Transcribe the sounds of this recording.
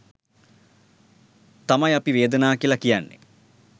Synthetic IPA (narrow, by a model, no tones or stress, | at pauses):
t̪amɐjɐpiʋeːd̪ənaːkiəlɐkijanːḛ